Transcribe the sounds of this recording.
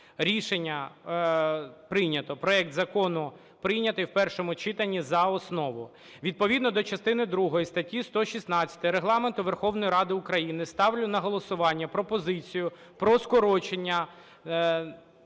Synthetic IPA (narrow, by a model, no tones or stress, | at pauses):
ɾʲiʃenʲːɐ | pɾɪnʲɐt̪ɔpɾɔɛk̚t̪zɐkɔnʊ | pɾɪjnʲɐt̪ɪjwpɛrʃɔmʊt͡ʃɪt̪ɐnʲːizɐɔsnɔʋʊ | ʋʲid̪̚pɔʋʲid̪nɔd̪ɔt͡ʃɐst̪ɪnɪd̪ɾuɦɔjist̪ɐtʲːist̪ɔʃʲisnɑt͡sʲːɐ̥t̪ɪɾeɦlˠɑment̪ʊʋerxɔwnɔjiɾɑd̪ɪʊkɾɐjinɪst̪ɑwlʲʊnɐɦɔlˠɔsʊʋɑnʲːɐpɾɔpɔzɪt͡sʲijʊ | pɾɔskɔɾɔt͡ʃenʲːɐ